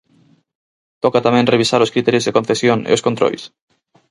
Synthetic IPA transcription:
t̪ɔkat̪amẽŋreβisaɾoskɾit̪ɛɾjozðekõnθesjoŋḛoskont̪ɾo̰js

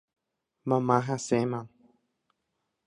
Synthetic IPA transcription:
mãmãɦasemãn

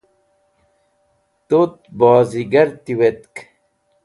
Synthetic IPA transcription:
t̪ot̪̚baːziɡɐɾt̪iwet̪k

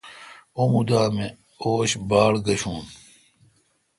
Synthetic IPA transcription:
omud̪aːmẽ | oːɕbaːlɡɐɕũːn

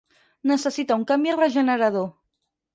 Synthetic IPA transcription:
nəsəsit̪auŋkambjrəʒənəɾaðo

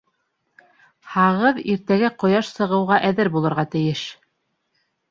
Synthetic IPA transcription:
hɑʁɤðiɾt̪æɡæqŏjɑʃsɤ̆ʁɤ̆wʁɑʔæðɘɾbulˠɤ̆ɾʁɑt̪ɘ̆jɘʃ

